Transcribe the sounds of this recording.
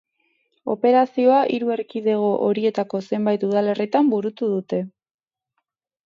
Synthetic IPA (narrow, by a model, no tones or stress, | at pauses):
o̞̰pe̞ɾasio̞aʔiɾue̞ɾkiðe̞ɣ̞o̞ʔoɾie̞t̪ako̞se̞mbajt̪uðale̞rit̪ambuɾut̪uðut̪e̞